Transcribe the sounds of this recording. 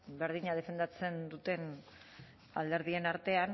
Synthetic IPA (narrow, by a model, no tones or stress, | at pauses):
be̞ɾðiɲað̞e̞fe̞nd̪at͡se̞nd̪ut̪e̞n | a̰ld̪e̞ɾðie̞naɾt̪e̞an